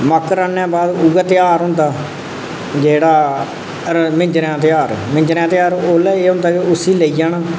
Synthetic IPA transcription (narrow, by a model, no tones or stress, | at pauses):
məkːɾaːnjãːbaːd̪uːɡaːt̪ɪjaːɾɦʊ̃nd̪aː | d͡ʒeːɽaː | əɾmɪ̃ɲd͡ʒɾãːt̪ɪjaːɾmɪ̃ɲd͡ʒɾãːt̪ɪjaːɾoːlɛːeːɦʊ̃nd̪aːkeʊsiːləiːd͡ʒaːnaː